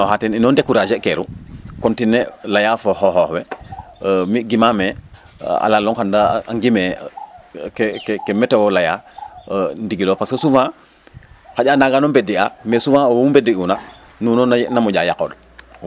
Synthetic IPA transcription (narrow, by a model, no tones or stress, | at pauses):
nɔhatɛninɔndekːuɾad͡ʒekeɾukɔntinːelajafohɔɦɔːhwɛ | miɡimamɛ | a̰lalːɔŋxandaa̰ŋɡimɛ | kkkemɛtewɔlaja | ndiɡilopaskosufã | xaɟaːnaɡanombediamesufãːowumbediuna | nunɔnnamuɟajako̰l